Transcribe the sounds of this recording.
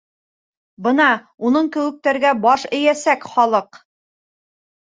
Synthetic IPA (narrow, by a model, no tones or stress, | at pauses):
bɤnɑ | unɤɴkɘ̆wɘ̆k̚t̪æɾɡæbɑʃɘ̆jæsækχɒlˠɤq